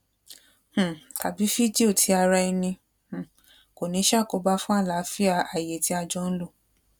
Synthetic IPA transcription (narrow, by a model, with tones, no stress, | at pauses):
h̩˨ta˨bi˨˦fi˦d͡ʒi˦o˦˨tʰi˨˦a˧ɾa˧i˧nĩ˧ | h̩˨ | ko˨nĩ˨˧˦ʃa˦˨ko˧ba˧fũ˦a˦˨la˨˦fi˦a˧a˨je˨ti˨˦a˧d͡ʒɔ̃˦n̩˦lo˦˨